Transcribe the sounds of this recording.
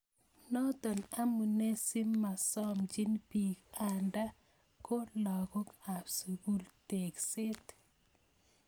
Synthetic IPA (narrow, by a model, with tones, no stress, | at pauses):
nɔ˦t̪ɔ˨na˦mu˨ne˦si˦mːa˨sɔ˦md͡ʒi˦npi˨ka˨nda˦ | ko˦lɔ˨ɡɔ˦ka˨bsu˨ɡu˦lte˨ksɪ˦t